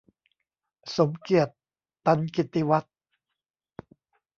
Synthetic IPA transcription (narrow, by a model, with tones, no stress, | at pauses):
so˩˦mki˨˩ət̪ː | a˧nki˨˩t̪ːi˧wa˦˥t̪̚